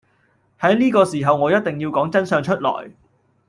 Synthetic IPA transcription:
hɐ˨˥jniː˥kɔː˧siː˨˩ɦɐ˨wŋɔː˨˧jɐ˥t̚t̪ɪ˨ŋjiː˧wkɔː˨˥ŋt͡sɐ˥nsœː˧ŋt͡ʃʰɵ˥t̚lɔ̰ː˨˩j

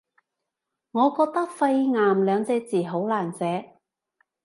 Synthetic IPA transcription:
ŋɔː˨˧kɔː˧k̚t̪ɐ˥k̚fɐ˧jŋaː˨mlœː˨˧ŋt͡sɛː˧t͡siː˨˩ɦo˨˥wlaː˨˩nt͡sɛː˨˥

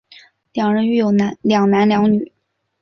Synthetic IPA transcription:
ljɑ˨˩ŋɻə˧˥ny˥˩jo˨˩ʊna˧˥ljɑ˨˩ŋna˧˥nljɑ˧˥ŋny˨˩˦

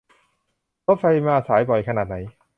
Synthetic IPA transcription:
to˦˥p̚fa˧jmaː˧saː˩˦jbɔ˨˩jkʰa˧naː˨˩t̪̚na˩˦j

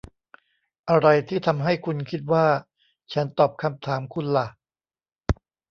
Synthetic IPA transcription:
ʔa˧ɾa˧jt̪ʰiː˥˩t̪ʰa˧mɦa˥˩jkʰu˧nkʰi˦˥t̪̚waː˥˩ | t͡ɕʰa˦˥nt̪ɔː˨˩p̚kʰa˧mt̪ʰaː˩˦mkʰu˧nla˨˩

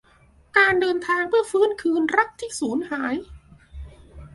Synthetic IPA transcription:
kaː˧ndɤː˧nt̪ʰaː˧ŋpʰɯ˥˩ɐfɯ˦˥˨nkʰɯː˧nɾa˦˥˩p̚t̪ʰiː˥˩suː˩˦nhaː˩˦j

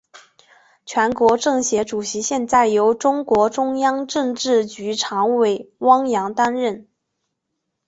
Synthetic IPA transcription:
t͡ɕʰɥɛ˧˥nkwɔ˧˥ʈ͡ʂɤ˥˩ŋɕjɛ˧˥ʈ͡ʂu˨˩ɕi˧˥ɕjɛ˥˧nt͡sa˥˩ɪjo˧˥ʊʈ͡ʂʊ˥ŋkwɔ˧˥ʈ͡ʂʊ˥ŋjɑ˥ŋʈ͡ʂɤ˥˧ŋʈ͡ʂɻ̩˥˩t͡ɕy˧˥ʈ͡ʂʰɑ˧˥ŋwe˨˩ɪwɑ˥ŋjɑ˧˥ŋt̪a˥nɻə˥˩n

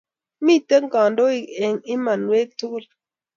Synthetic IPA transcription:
mi˦tə˦ŋ˦ka˨n˦do˦i˨e˨ŋi˦ma˨nwe˦k̚tu˦ku˦˨l

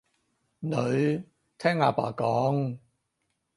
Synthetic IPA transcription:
nɵ˨˧ɥ | t̪ʰɛː˥ŋaː˧pa̰ː˨˩kɔː˨˥ŋ

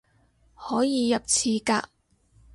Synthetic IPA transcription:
hɔː˨˥jiː˨˧jɐ˨p̚t͡sʰiː˨˧kaː˧

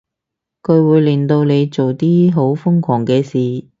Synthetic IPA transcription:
kʰɵ˨˧ɥwuː˨˧jli˨ŋt̪o˧wne˨˧jt͡so˨wt̪iː˥ɦo˨˥wfʊ˥ŋkʰɔː˨˩ŋkɛː˧siː˨˩

